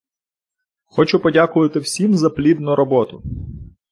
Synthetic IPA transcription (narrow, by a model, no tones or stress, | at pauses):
xɔt͡ʃʊpɔdʲakʊʋɐt̪ɪwsʲimzɐplʲid̪nʊɾɔbɔt̪ʊ